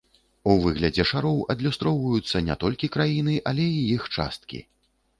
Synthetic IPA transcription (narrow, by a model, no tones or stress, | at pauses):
uvɨɣlʲɐd͡zʲɛʂaɾɔwɐd̪lʲust̪ɾɔwvɐjut̪sːɐnʲɛ̰t̪ɔlʲkʲikɾajinɨʔɐlʲɛijixt͡ʂa̰st̪̚kʲḭ